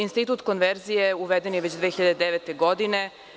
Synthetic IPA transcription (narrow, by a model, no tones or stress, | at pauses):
inst̪it̪uːt̪konʋeɾzijeuʋed̪enjeʋet͡ɕd̪ʋeːxiʎad̪ed̪eʋet̪eɡo̞d̪ine